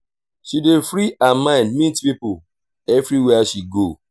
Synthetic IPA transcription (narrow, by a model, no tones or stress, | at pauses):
ʃidefɾiamãɪ̃ndmitpipo | ɛvɾiwɛaʃiɡo